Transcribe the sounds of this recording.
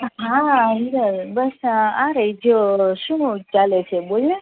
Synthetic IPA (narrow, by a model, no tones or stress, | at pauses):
ɦãɦiɾəɾbəsãɾəid͡ʒoʃũt͡ʃalet͡ʃʰebole